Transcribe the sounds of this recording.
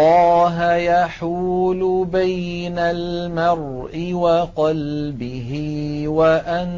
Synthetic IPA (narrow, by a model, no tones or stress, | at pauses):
ɑːɦajaħuːlʊbajnalmɑrˤ | ʔɪwaqɑlbɪɦɪwaʔan